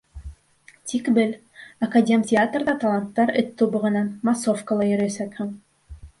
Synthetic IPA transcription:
t̪ʲikbɘl | ɐkadʲe̞mtʲɪat̪rðɑt̪ɐlˠɑnt̪ːɑɾɘ̰̆t̪ːubɤ̆ʁɤ̆nɑnmasofkə̆lˠɑjɵ̆ɾæsækhɘŋ

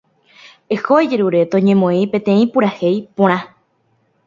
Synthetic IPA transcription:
ehoed͡ʒeɾuɾe̞t̪õɲẽmõĩpẽ̞t̪ẽ̞ĩpuɾahejpõɾ̃ã

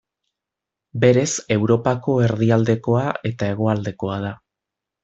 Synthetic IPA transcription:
be̞ɾe̞se̞wɾo̞pako̞e̞ɾðiald̪e̞ko̞ae̞t̪ae̞ɣ̞o̞ald̪e̞ko̞að̞a

